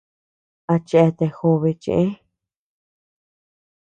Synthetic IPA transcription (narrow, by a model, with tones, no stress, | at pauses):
a˧t͡ʃe˧e˧t̪e˧xu˧βi˧t͡ʃḛ̃˧ʔẽ˦